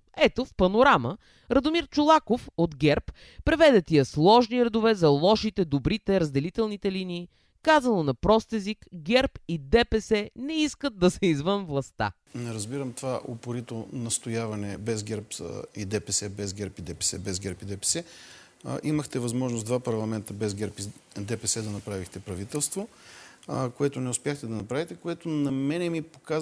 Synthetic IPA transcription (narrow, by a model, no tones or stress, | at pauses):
ɛt̪ofpɐnoɾamə | ɾɐd̪omiɾt͡ʃʊlˠakofod̪ɡʲɛɾp | pɾɛvɛd̪ɛt̪iɐslˠɔʒniɾɛd̪ovɛzɐlˠɔʃit̪ɛd̪obɾit̪ɛɾɐzd̪ɛlit̪ɛlˠnit̪ɛliniː | kazɐnonɐpɾɔst̪ɛzikɡʲɛɾpid̪ɛpɛsɛnɛiskət̪̚d̪ɐsɛizvənvlˠɐst̪a̰ | nɾɐzbiɾəmt̪ovaʔopoɾit̪onɐst̪ojavɐnɛbɛzɡʲɛɾpid̪ɛpɛsɛbɛzɡʲɛɾpid̪ɛpɛsɛbɛzɡʲɛɾpid̪ɛpɛ̥sɛ̰ | ʔiməxt̪ɛvɐzmɔʒnosd̪vapɐɾlˠɐmɛnt̪əbɛzɡʲɛɾpid̪ɛpɛsɛd̪ɐnɐpɾavixt̪ɛpɾɐvit̪ɛlˠst̪vo | koɛt̪ʊnɛʊspjaxt̪ɛd̪ɐnɐpɾavit̪ɛkoɛt̪onɐmɛnɛmipoka